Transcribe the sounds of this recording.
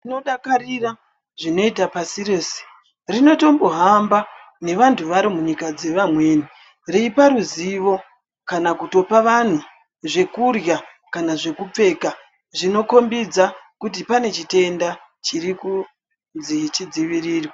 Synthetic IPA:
no̞ɗakarira | ʐino̞itapasireːse̥ | rino̞to̞mboɦamba | ne̞ʋantʰuʋaɾomuɲikad͡ze̞ʋamwe̞ːni | reipaɾuziʋo̞ | kanakuto̞paʋan̤u | ʐe̞kurja | kanaʐe̞kup͡fe̞ːka | ʐino̞ko̞mbid͡zakutipane̞t͡ʃite̞nda | t͡ʃiɾiku | nzit͡ʃid͡ziʋiriːrwa

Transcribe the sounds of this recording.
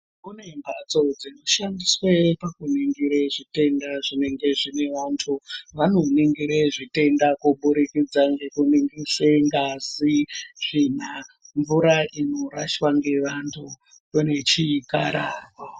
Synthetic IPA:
kune̞mbʱat͡so̞d͡zino̞ʃandiswe̞pakuniŋɡiɾeʐite̞ndaʐine̞ŋɡe̞ʐine̞ʋantʰuʋanoniŋɡiɾeʐite̞ndakuɓuɾikid͡zaŋɡe̞kuniŋɡiseŋɡasiʐ̥in̤aɱvuɾaʔino̞ɾaʃwaŋɡe̞ʋantʰu | rone̞t͡ʃikaɾaːrwa

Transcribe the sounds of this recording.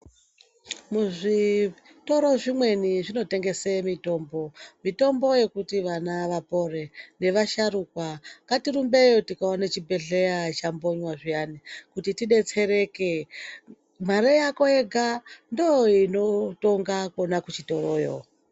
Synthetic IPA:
muʐi | to̞ɾo̞ʐimwe̞niʐino̞te̞ŋɡe̞semito̞ːmbo̞mito̞mbo̞je̞kutiʋanaʋapo̞re̞ne̞ʋaʃaɾukwaŋkatiɾumbe̞jotikaonet͡ʃibʱe̞ɮe̞jat͡ʃambo̞ɲwaʐijanikutitiɗe̞t͡se̞ɾe̞ke̞ | m̤aɾejako̞eɡʱandojoino̞to̞ŋɡako̞nakut͡ʃito̞rojo̰

